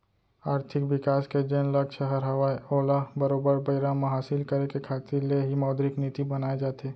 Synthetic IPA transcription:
aːɾt̪ʰɪkʋɪkaːsked͡ʒeːnlɐkʃəɦəɾɦɐʋaioːlabɐɾoːbəɾbəɪɾamaɦaːsɪlkɐɾekekʰaːt̪ɪɾleɦimaːd̪ɾɪknɪt̪ibɐnaːed͡ʒaːt̪eː

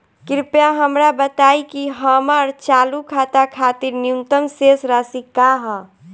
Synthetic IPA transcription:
kɪɾpjaɦəmɾabət̪aːikiɦəːməɾt͡ʃaːlukʰaːt̪akʰaːt̪iɾnijunt̪əmsesɾaːsikaɦə

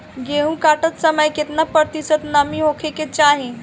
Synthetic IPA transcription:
ɡeɦũkaʈət̪səməjket̪napəɾt̪isət̪namiɦokʰeket͡ɕaɦĩ

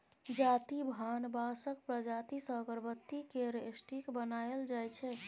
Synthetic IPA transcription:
d͡ʒat̪ibʱanbasəkpɾəd͡ʒat̪isəɡəɾbət̪ːikeɾesʈikbənaeld͡ʒajt͡ʃʰɛ

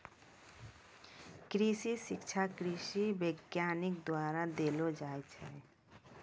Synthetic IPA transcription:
kɾiʃiʃɪkt͡ʃʰakɾiʃiʋəɡjaːnɪk̚d̪waːɾad̪eːlod͡ʒaːt͡ʃʰɛ

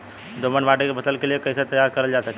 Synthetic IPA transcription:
d̪oːmənbaːʈekebɐt̪əlkeliekɐɪset̪ɐjaːɾkɐɾəld͡ʒaːsɐke

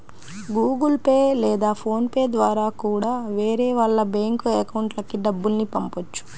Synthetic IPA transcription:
ɡuːɡulpeːlɛːd̪aːpʰo̞ːnpeːd̪ʋaːɾaːkuːɽaːʋeːɾeːʋɐɭːɐbeːŋkuekɐwuɳʈlɐkiɖɐbːulnipɐmpot͡ʃːu̥

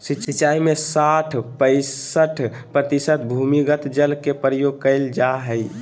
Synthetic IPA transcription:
siːʃiːt͡ʃaimesaʈʰpəɪəʈʰ | pɾət̪isət̪bʱumiɡət̪d͡ʒəlkepəɾəjoɡ̚kəɪld͡ʒaɦəj

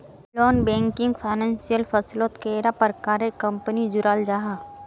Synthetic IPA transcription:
loːnbɛ̃ːŋkɪ̃ŋɡpʰaːnãːnsijəlfʰɐsloːt̪keɾapəɾkaːɾekɐ̃mpənid͡ʒʊɾaːld͡ʒaɦa

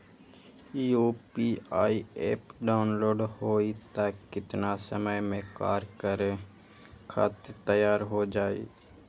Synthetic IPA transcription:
iopiaːiḛpɖaʊnloːɖhoit̪akɪt̪nasəməjmẽkaːɾkəɾ | kʰa̰t̪t̪əjaːɾɦod͡ʒaːḭ

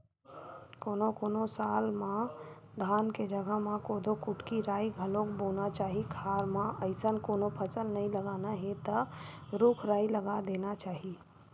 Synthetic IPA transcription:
koːnokoːnosaːlmã | d̪ʱaːnked͡ʒəɡʱəɦmãkoːd̪okʊʈkiɾaːiɡʱəlõkbonat͡ʃaːɦikʰaːɾmãəɪsənkoːnopʰət͡ʃəlnəĩləɡaːnaɦẽt̪ə | ɾʊkʰɾaːiləɡad̪eːnat͡ʃaːɦi

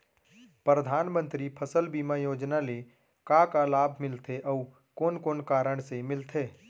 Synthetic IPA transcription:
pɾɾəd̪ʱaːnmə̃nt̪ɾipʰəsəlbimajoːd͡ʒnale | kakalaːbʱmɪlt̪ʰeʔɔu | koːnkoːnkaːɾəɽ̃semɪlt̪ʰeː

